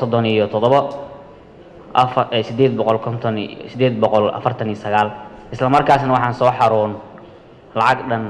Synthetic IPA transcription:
sɔd̪ɔnijɔt̪ʰɔðɔβɐ | fɛsɪd̪eːd̪̚bɔqɔlkʰɔnt̪ʰɔnsɪd̪eːd̪bɔqɔlɐ̰fɐrt̪ʰɐnijɔsɐɣaːlʔɪslɐmɐrkʰaːsnɐwɑħɑːnsɔːħɑɾuːn | lɑʕɑɡɖɐn

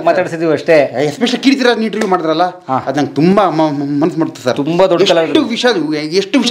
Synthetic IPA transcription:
maːt̪aːɽisid̪iʋuɐʂʈeespeʂɐkiːɽit̪iɾad̪niɳʈɐɾʋjumaːɽid̪ɐɾɐlːɐ | aːɐd̪nɐnŋɡet̪umbɐmmɐnɐsmaːɽut̪ːusɐɾt̪umbɐd̪ɔɖeɐlʈːuʋiʂɐeʂʈːuʋiʃ

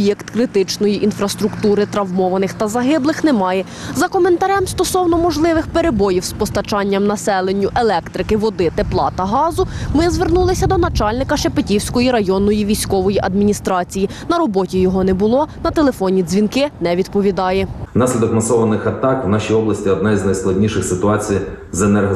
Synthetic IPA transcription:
jɛkt̪kɾɪt̪ɪt͡ʃnɔjiʔinfɾɐst̪ɾʊkt̪uɾɪt̪ɾɐwmɔʋɐnɪxt̪ɐzɐɦɪblˠɪxnɛmɑjɛ | zɐkɔment̪ɐɾɛmst̪ɔsɔwnɔmɔʒlˠɪʋɪxpeɾebɔjiwspɔst̪ɐt͡ʃɑnʲːɐmnɐsɛlˠenʲːʊʔelˠɛkt̪ɾɪkɪʋɔd̪ɪt̪eplˠɑ̰t̪ɐɦɑzʊmɪzʋernulˠɪsʲɐd̪ɔnɐt͡ʃɑlʲnɪkɐʃepetʲiwsʲkɔjiɾɐjɔnːɔjiʋʲijsʲkɔʋɔjiʔɐd̪mʲinʲist̪ɾɑt͡sʲiji | nɐɾɔbɔtʲijɔɦɔnɛbʊlˠɔnɐt̪elˠefɔnʲizʲʋʲinkɪnɛʋʲid̪pɔʋʲid̪ɑjɛnɑsʲlʲid̪ɔkmɐsɔʋɐnɪxɐt̪ɑkwnɑʃʲijɔblˠɐsʲtʲiɔd̪nɑjznɐjsklˠɐdʲnʲiʃɪxsɪt̪ʊɑt͡sʲijzenɛrɦɐ

